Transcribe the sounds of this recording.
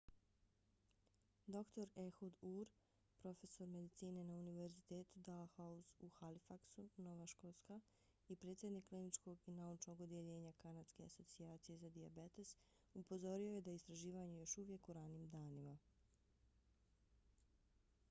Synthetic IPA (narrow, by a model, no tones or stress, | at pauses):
d̪o̞kt̪o̞ɾe̞xud̪uːɾ | pɾo̞fe̞so̞ɾme̞d̪it̪siːne̞nauniʋe̞ɾzit̪e̞ːt̪ud̪alxauzuxalifaksuno̞ʋaʃko̞lska | ipɾe̞ːt̪sjed̪nikːlinit͡ʃko̞ɡinaut͡ʃno̞ɡod̪jeʎe̞ːɲakanad̪ske̞a̰so̞t̪siaːt̪sije̞zad̪iabe̞t̪e̞s | upo̞zo̞ɾioje̞d̪aist̪ɾaʒiːʋaɲejo̞ʃuʋje̞kuɾaniːmd̪aːnima